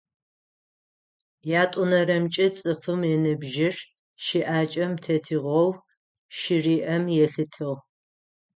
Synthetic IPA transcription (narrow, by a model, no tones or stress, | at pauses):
jaːtʼʊnɐɾɐmt͡ʃʼɐt͡sʼɨfɨmjɛnɨbʒɪr | ʃiʔaːt͡ʃʼɐmtʰɐtʰiʁʷɐw | ʃɪriːʔɐmjɛɬɨtʰɨʁ